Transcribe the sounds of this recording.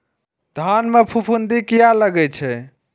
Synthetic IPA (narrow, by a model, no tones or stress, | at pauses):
d̪ʱanmepʰupʰund̪ikijaləɡɛt͡ʃʰɛ